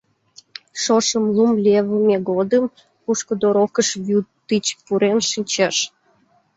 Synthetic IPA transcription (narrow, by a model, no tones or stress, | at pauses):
ʃoʃəmlumlʲeβəmʲeɣɡod̪əm | puʃkəd̪oɾokəʃβut̪ːit͡ɕpuɾenʃinʲt͡ɕeʃ